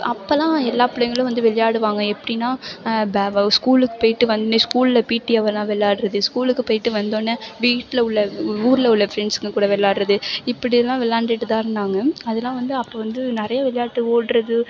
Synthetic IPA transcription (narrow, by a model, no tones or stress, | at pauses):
ɐpːɐlãːɛlːaːpɪɽɐjŋɡɐɭʊ̃ʋɐnd̪ɯʋɛɭɪjaːɽɯʋaːŋɡɐɛpːɐɽɪnãːbskuːlɯkːɯ̥poːjɪʈːɯʋɐnd̪oːnːɐskuːllɐpiːʈːiɐʋɐlãːʋɛɭːaːɽɯɾɐðɯskuːlɯkːɯpoːjɪʈːɯʋɐnd̪oːnːɐʋiːʈːlɐʊɭːɐuːɾɯlɐʊɭːɐfɾɛɳɖsɯŋɡɐkuːɽɐʋɛɭːaːɽɾɐðɯɪpːɐɽɪðɛlːãːʋɛlːaːɳɖɪʈːɯt̪ãːɪɾɯnd̪aːŋɡɐɐðɐlãːʋɐnd̪ɯɐpːoːʋɐnd̪ɯnɪɾɐjaʋɛɭɪjaːʈːɯoːɽɾɐðɯ